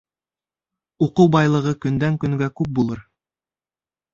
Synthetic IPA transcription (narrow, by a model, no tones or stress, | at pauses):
uquwbɑjlˠɤ̆ʁɤkɵ̆nd̪æŋkɵ̆ŋɡækʉp̚bulˠɤɾ